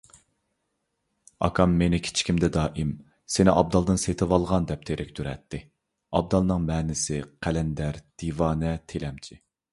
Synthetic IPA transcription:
ɑ̰kʰɑmːenɪkʲʰi̥t͡ʃʰi̥kʲimd̪ɛd̪ɑːʔɪm | senɪʔɑb̚d̪ɑlˠd̪ɨnset̪ʰɨwɑlˠʁɑnd̪ɛp̚t̪ʰeɾʔɪk̚ʲt̪ʰyɾɛ̰t̪ʰːɪ | ɑb̚d̪ɑlˠnɨŋmɛːnɪsɪqʰælɛnd̪æɾd̪̥ivɑːnɛt̪ʰelɛmt͡ʃʰi

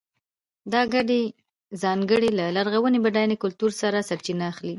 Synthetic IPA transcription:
d̪ɑɡaɖe | zɑŋɡəɽelalaɾɣawənebaɖɑjnekʊlt̪uɾsaɾasaɾt͡ʃinaːxli

